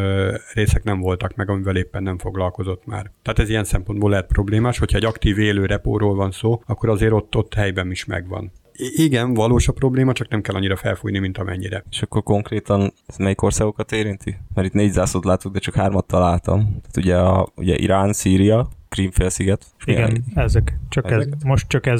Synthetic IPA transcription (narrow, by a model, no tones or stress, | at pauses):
reːsɛknɛɱvo̞lt̪ɒkmɛɡɒmivɛleːpːɛnːɛmfo̞ɡlɒlko̞zo̞t̪ːma̰ːrt̪ɛaːt̪ɛzijɛnsɛmpo̞nd̪boːlɛɦɛt̪̚pro̞bleːmaːʃho̞cʰhɒɛɟɒkt̪iːveːløːɾɛpo̰ːɾoːlvɒnsoːɒkːo̞ɾɒzeːɾo̞t̪ːo̞t̪ːhɛjbɛmiʃmɛ̰ɡvɒ̰n | iɡɛnvɒloːʃɒpro̞bleːmɒt͡ʃɒknɛmkɛlːɒɲːiɾɒfɛ̰lfuːjnimint̪ɒmʔɛ̰ɲːiɾɛeʃɒkːo̞rko̞ŋkreːt̪ɒn | ɛzmɛjiko̞rsaːɡo̞kɒt̪eːɾint̪imɛɾit̪neːɟzaːsot̪laːt̪uɡ̚d̪ɛt͡ʃɒkhaːrmɒt̪ːɒlaːlt̪ɒ̰mt̪aːt̪uɟɛɒṵɟɛ̰ʔḭɾaːnsiːɾijɒkriːɱfeːlsiɡɛt̪ | iɡɛɛzɛkt͡ʃɒkɛmoʃtt͡ʃɒkɛz